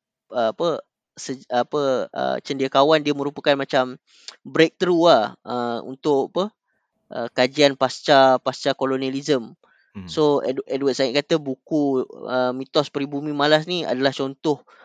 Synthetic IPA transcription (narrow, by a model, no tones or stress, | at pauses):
əapə | səapəə̰t͡ʃəndiakawandiəmə̃ɾupakanmat͡ʃam | bɾek̚t̪ɾuaəṵnt̪ʊʔapə | ʔə̰kad͡ʒianpast͡ʃapast͡ʃakolonializəm | so̰dɛdwat̚saɪʔ̚kat̪əbukuəmĩt̪ɔspəɾibumĩmalas̬nia̰dalaht͡ʃɔnt̪ʊh